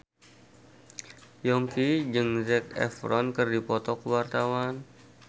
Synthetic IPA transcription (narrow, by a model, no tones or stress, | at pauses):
jɔŋkid͡ʒɨŋzɛkɛ̰fɾɔnkɨrdipɔt̪ɔkəwart̪awan